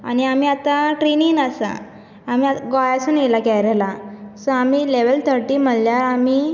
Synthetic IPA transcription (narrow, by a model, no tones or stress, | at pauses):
a̰ñiamiːat̪aʈɾininasa̰ː | m̤iːaɡɔjasuːnjelakɛjɾelasɔamiːleʋəlt̪ʰəɾʈiːm̤əlljaɾamiː